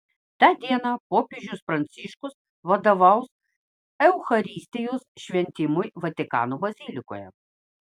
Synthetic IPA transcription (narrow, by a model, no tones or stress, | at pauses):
t̪ɑːd̪ʲiɛnɐpoːpʲeʒʲʊsfɾɐnʲt̪sʲiʃkʊs | ʋɐd̪ɐʋɐʊs | ɛʊxɐɾʲiːsʲt̪ʲɪjoːsʃʲʋʲɛnʲt̪ʲɪmʊjʋɐt̪ʲɪkɑ̰ːnobɐzʲilʲɪko̰ːjɛ̰